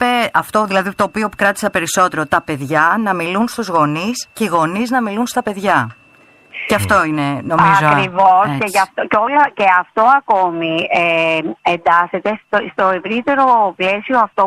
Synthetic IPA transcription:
peɐft̪o̞ðilɐðit̪o̞ːpio̞pu̥kɾɐt̪i̥sɐpe̞ɾiso̞t̪e̞ɾo̞t̪ɐpe̞ðʝɐnɐmilunst̪uzɣo̞nisce̞iɣo̞niznɐmilunst̪ɐpe̞ðʝɐ | ceɐft̪o̞ine̞no̞mizokɾivosceʝɐft̪ocolɐce̞ɐft̪o̞ɐko̞mieend̪ɐse̞t̪est̪st̪o̞e̞vɾit̪e̞ɾo̞ple̞sioɐft̪o

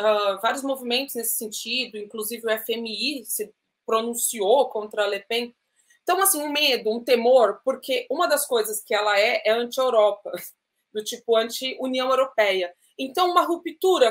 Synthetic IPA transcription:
avaɾijʊzmovimẽnt̪ʊznesɪ̥sẽnt͡ʃid̪ʊĩŋkluzivɪʊɛfemiisɪ | pɾonũsiokõnt̪ɾɐalepẽ | t̪ɐ̃w̃asĩũmed̪ʊũt̪emoɾpoɾkʰeʔũmɐd̪ɐskojzɐskɪɛlɐɛʔɛɐ̃nt͡ʃɪewɾɔpɐ | d̪ʊt͡ʃipʊɐ̃nt͡ʃɪuniɐ̃w̃ewɾopɛjɐ | ẽnt̪ɐ̃w̃ũmɐɦupit̪uɾɐ

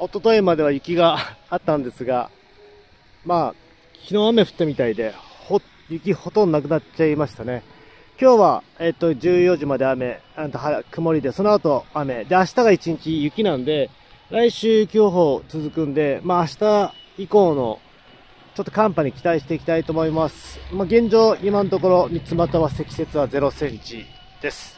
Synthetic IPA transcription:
o̞t̪o̞t̪o̞emad̪e̞β̞ajɯ̟kʲiɡaːt̪ːãnd̪e̞sɨɡa̰ | maː | kʲino̞ame̞ɸɯ̟̥t̪ːamʲit̪aid̪e̞ho | jɯ̟kʲiho̞t̪õ̞nd̪onak̬ɯ̟nat͡ɕaimaɕi̥t̪ane̞ | kʲo̞ːβa̰ | et̪ːo̞d͡ʑɨːjo̞ʑimad̪e̞ame̞ãnt̪oɦakɯ̟mo̞ɾʲid̪e̞so̞noat̪o̞ame̞d̪e̞aɕi̥t̪aɡait͡ɕiɲ̟it͡ɕijɯ̟kʲinãnd̪e̞ | ɾaiɕɨːkʲo̞ːɦo̞ːt͡sɨzɨkɯ̟̃nd̪e̞maːɕi̥t̪aiko̞ːno̞̰ | t͡ɕo̞t̪ːo̞kãmpaɲ̟ikʲi̥t̪aiɕi̥t̪e̞ikʲi̥t̪ait̪o̞ːmo̞imasɨ̥maɡẽ̞ɲ̟d͡ʑo̞ːimant̪o̞ko̞ɾo̞mʲit͡sɨmat̪aβase̞kʲi̥se̞t͡sɨβaze̞ɾo̞sẽ̞ɲ̟t͡ɕi | d̪̥e̞sɨ̥

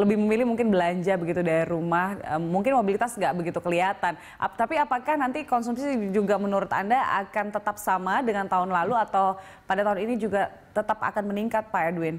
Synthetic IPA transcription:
ləbɪhməmilɪhmuŋkɪnbəlaɲd͡ʒabəɡit̪udaɾiɾumahəmuŋkɪnmobilit̪asŋɡaʔbəɡit̪ukəliɦat̪an | t̪apiapakahnant̪ikɔnsumsid͡ʒuɡamənuɾʊt̪a̰ndaʔa̰kant̪ət̪ap̚samadəŋant̪aɦʊnlaluat̪aw | padat̪aɦʊninid͡ʒuɡa | t̪ət̪apa̰kanməniŋkat̪̚paaduɪn

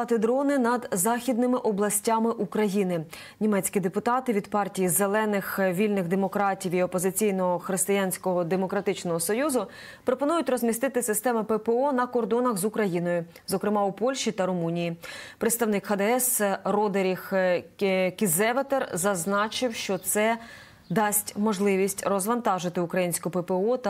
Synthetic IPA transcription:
ɐt̪ɪd̪ɾɔnɪnɐd̪zɑxʲid̪̚nɪmɪʔɔblˠɐsʲtʲamɪʔukɾɐjinɪ | nʲimɛt͡sʲkʲid̪epʊt̪ɑt̪ɪʋʲid̪pɑrtʲijizelˠɛnɪxʋʲilʲnɪɣd̪emɔkɾɑtʲiwiɔpɔzɪt͡sʲijnɔɦɔxɾɪst̪ɪjanʲsʲkɔɦɔd̪emɔkɾɐt̪ɪt͡ʃnɔɦɔsɔjuzʊ | pɾɔpɔnujʊtʲɾɔzʲmʲist̪ɪt̪ɪsɪst̪ɛmɪpɛpeɔnɐkɔrd̪ɔnɐɣzukɾɐjinɔjʊ | zɔkɾɪmɑupɔlʲʃit̪ɐɾɔmunʲijipɾet̪st̪ɐwnɪkhɐd̪ɛɛsrɔd̪eɾʲix | kʲizɛʋet̪erzɐznɑt͡ʃɪwʃt͡ʃɔt̪sɛ | d̪ɑsʲtʲmɔʒlˠɪʋʲisʲtʲrɔzʋɐnt̪ɑʒɪt̪ɪukɾɐjinʲsʲkʊpɛpeɔt̪

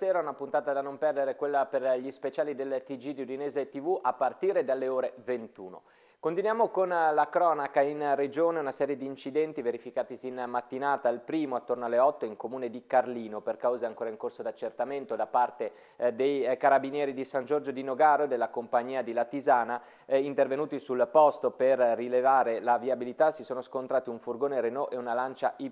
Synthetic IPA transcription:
seːɾaunapunt̪aːt̪ad̪anompɛrd̪eɾekwelːaperʎispet͡ʃaːlid̪elt̪id͡ʒid̪iud̪ineːzet̪ivuʔapːart̪iːɾed̪alːeoːɾevent̪ṵːno̰ | kont̪inwjaːmokonlakɾɔːnakainred͡ʒoːneunasɛːɾjed̪iːnt͡ʃid̪ɛnt̪iveɾifikaːt̪isinmat̪ːinaːt̪ailpɾiːmoat̪ːornoalːeɔt̪ːoiŋkomuːned̪ikarliːnoperkawzeaŋkoːɾaiŋkorsod̪at͡ʃːert̪ament̪od̪apart̪e | d̪ejkaɾabinjɛːɾid̪isand͡ʒord͡ʒod̪inoɡaːɾod̪elːakompaɲːiːad̪ilat̪izaːna | int̪ervenuːt̪isulpɔst̪operːilevaːɾelaviabilit̪asisoːnoskont̪ɾaːt̪iuɱfurɡoːneɾenɔʔeunalant͡ʃaʔi

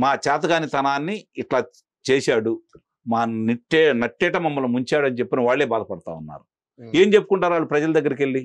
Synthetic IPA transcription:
maːt͡ʃɛːt̪̬ɐɡaːnit̪ɐnaːnːiːʈlaː | t͡ʃeːʃaːɽu | maːniʈːɛnɐʈːɛːʈɐmɐmːɐlumuɲt͡ʃaːɽɐnit͡ʃepːinɐʋaːɭːeːbaːd̪ɐpɐɽɐt̪a̰ːunːa̰ːɾu | eːmt͡ʃe̞pːu̥kuɳʈaːɾʋaːɭːupɾɐd͡ʒɐlɐd̪ɐɡːɐɾɐkeɭːi

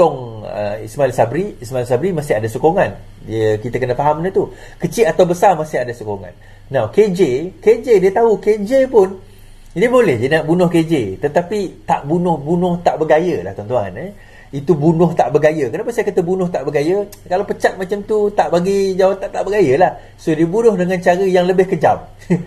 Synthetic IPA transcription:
t̪ɔŋə̰ismailsabɾiismailsabɾimãsɪɦadasokoŋan | dəkit̪əkənəfaɦamnət̪u | kət͡ʃiat̪awbəsarmasɪɦadasokoŋã̰nː | ãwked͡ʒeked͡ʒediət̪auked͡ʒepʊn | diəbolɛhd͡ʒənaʔbunʊhked͡ʒet̪ət̪apit̪aʔbunʊhbunʊht̪aʔbəɡajəla̰ht̪ɔnt̪ua̰nɛ | it̪ubunʊht̪aʔbəɡajəkənapasajakat̪əbunʊht̪aʔbəɡajə | kalawpət͡ʃat̪̚mat͡ʃamt̪ut̪aʔbaɡid͡ʒawat̪ant̪aʔbəɡajəlah | sodiəbunʊhdəŋãnt͡ʃaɾəjaŋləbɪhkəd͡ʒa̰m̚

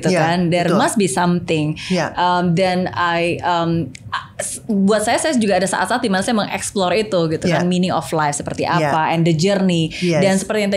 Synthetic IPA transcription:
t̪ukandɛrmast̪̚bisamt̪ɪŋʔəmdɛnajəm | s | buat̪̚sajasajsd͡ʒuɡaːdasa̰ʔat̪sat̪udimanasajaməŋʔɛ̰ksplɔrit̪uɡit̪ukanminɪŋɔ̰flajfsəpərt̪iʔapaʔɛndəd͡ʒərnidansəpərt̪ijaŋt̪a

